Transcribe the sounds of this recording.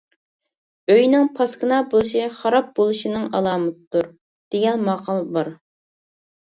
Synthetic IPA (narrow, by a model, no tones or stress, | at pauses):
øjnɪŋpʰɑskɨnɑbolˠʃiχɑɾɑp̚bolˠuʃinɨŋɑlˠɑːmɨt̪ɨd̪̥uɾ | d̪̥eɡʲɛnmɑqʰɑlˠbɑɾ